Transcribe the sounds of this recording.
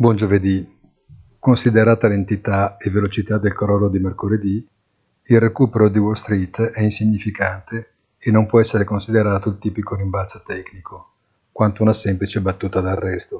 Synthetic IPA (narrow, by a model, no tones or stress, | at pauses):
bwɔnd͡ʒoved̪i | konsid̪eɾaːt̪alent̪it̪aevːelot͡ʃit̪ad̪ːelkoɾɔlod̪imerkoled̪i | ilrekuːpeɾod̪iwolst̪ɾit̪ːɛinsiɲːifikant̪e | enːompwɔɛsːeɾekonsid̪eɾaːt̪oilt̪iːpikoɾiɱbalso̥t̪ɛknikʰo | kwant̪ounasɛmplit͡ʃebat̪ːuːt̪ad̪arːɛst̪o